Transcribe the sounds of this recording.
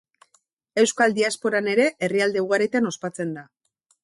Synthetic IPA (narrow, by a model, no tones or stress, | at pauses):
e̞wskald̪iaspo̞ɾane̞ɾe̞ʔeriald̪e̞uɣ̞aɾet̪ano̞spat͡se̞nd̪a